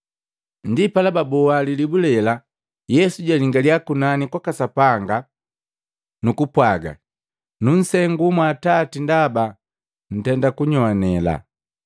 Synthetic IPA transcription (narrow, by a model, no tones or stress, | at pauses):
ndipalababɔalilibulɛla | jɛsuɟaliŋɡaliakunanikwakasapaŋɡa | nukupwaɡa̰ | nun̩sɛŋɡumwatatindaba | n̩tɛndakuɲɔanɛla̰